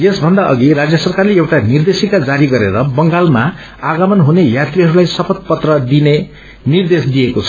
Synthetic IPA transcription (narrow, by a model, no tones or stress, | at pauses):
jesbʱʌnd̪aʔʌ̰ɡirad͡zjʌsʌrkarleewʈanird̪esikad͡zaɾiɡʌɾeɾʌbʌŋɡalma | aɡʌmʌnɦunejat̪riɦʌɾulajsʌpʰʌd̪̚pʌt̪rʌd̪ine | nird̪esd̪ijekot͡sʰʌ̥